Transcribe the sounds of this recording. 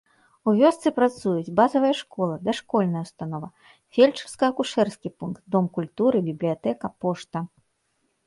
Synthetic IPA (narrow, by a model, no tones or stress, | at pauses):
uvʲɔst̪sɨpɾat̪sujut͡sʲbazɐvɐjɐʂkɔlˠɐd̪ɐʂkɔlʲnɐjɐust̪anɔvɐ | fʲelʲt͡ʂɐskɐɐkuʂɛrskʲipunkt̪̚d̪ɔmkulʲt̪uɾɨbʲiblʲijat̪ɛkɐpɔʂt̪ɐ